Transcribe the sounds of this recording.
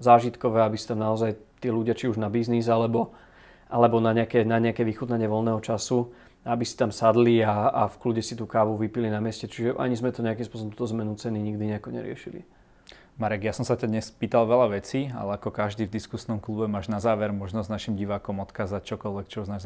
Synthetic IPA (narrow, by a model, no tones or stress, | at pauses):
zaːʒit̪kɔʋɛːabisit̪amnaɔzajt̪iːluɟɪat͡ʃiuʒnabiznizalɛbɔ | ʔalɛbɔnaɲɛakɛnaɲɛakɛːʋixut̪naɲɪɛʋɔlnɛːɦɔt͡ʃasu | aabisi̥t̪amsad̪liaafkluɟɛsit̪uːkaːʋuʋipilinamɪɛscɛt͡ʃiʒɛʔa̰ɲizmɛt̪ɔɲɛakimspwɔsɔbɔmt̪uːt̪ɔzmɛnut͡sɛniɲiɡd̪iɲɛakɔɲɛ̰ɾɪɛ̰ʃilḭ | maɾɛɡjasɔmsacad̪ɲɛspiːt̪alʋɛlaʋɛt͡siːa̰lɛakɔkaʒd̪iːvd̪iskusnɔmklubɛmaːʒnazaːʋɛɾmɔʒnɔznaʃimɟiʋaːkɔmɔt̪kaːzact͡ʃɔkɔlʋɛkt͡ʃɔznaː